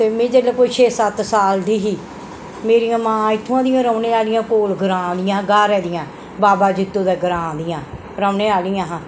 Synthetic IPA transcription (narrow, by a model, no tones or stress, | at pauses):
t̪eːmẽːd͡ʒeːleːkoːiːt͡ʃʰeːsət̪saːld̪iːɦiː | meːɾijãːmãːɪt̪ʰːãːd̪ɪjãːɾəːneːaːlɪjãːkoːlɡəɾãːd̪ɪjãːɡaːɾɛːd̪ɪjãː | baːbaːd͡ʒɪt̪ːõːd̪ɛːɡəɾãːd̪ɪjãː | ɾəːneːaːlijãːɦãː